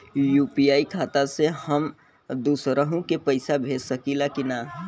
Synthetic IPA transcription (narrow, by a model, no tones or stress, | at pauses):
juːpijaːikʰaːt̪asehəm | d̪uːsɾəɦũkepəɪsabʱeːd͡ʒsəkilakina